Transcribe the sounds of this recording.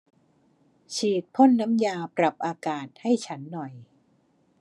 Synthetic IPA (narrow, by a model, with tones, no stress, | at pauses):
t͡ɕʰiː˨˩t̪̚pʰo˥˩nːa˦˥mjaː˧pɾa˨˩p̚ʔaː˧kaː˨˩t̪̚ha˥˩jt͡ɕʰa˦˥nːɔ˨˩j